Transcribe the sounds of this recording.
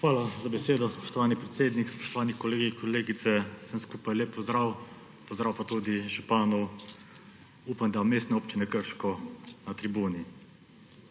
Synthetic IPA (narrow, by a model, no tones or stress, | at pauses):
xʋaːlazabɛseːd̪ɔspɔ̥ʃt̪ɔʋaːnipɾɛt̪seːd̪nikspɔ̥ʃt̪ɔʋaːnikɔleːɡikɔleːɡit̪sɛsəmskuːpajleːpːɔzd̪ɾaːw | pɔzd̪ɾaːwpat̪uːd̪iʒupaːnɔw | uːpamd̪ameːst̪nɛoːpt͡ʃinɛkəɾʃkɔnat̪ɾibuːni